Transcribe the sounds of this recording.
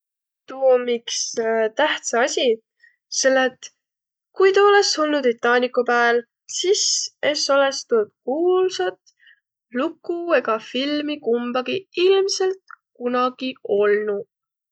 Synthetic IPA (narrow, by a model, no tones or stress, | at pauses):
t̪uomikst̪æht̪sɑɑsʲi | se̞lːet̪ | kujt̪ɑo̞le̞so̞lnut̪it̪ːˑɑːnʲikupæːl | sise̞so̞le̞st̪ut̪̚kuːlsɑt̪ | lukːˑue̞ɡɑfilmikumb̥ɑɡ̥iilmse̞lt̪kunɑɡ̥io̞lnu